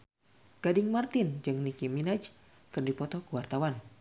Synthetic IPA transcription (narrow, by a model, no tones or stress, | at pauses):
ɡ̥adɪŋmart̪ind͡ʒɨŋnikiminad͡ʒ | kɨrdipɔt̪ɔkuwart̪awan